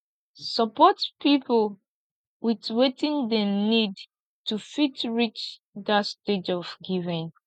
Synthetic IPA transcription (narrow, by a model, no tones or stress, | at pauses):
səpɔtpipl | witwetĩndənid | tufitɹit͡ʃ | dasted͡ʒɔfɡivĩŋ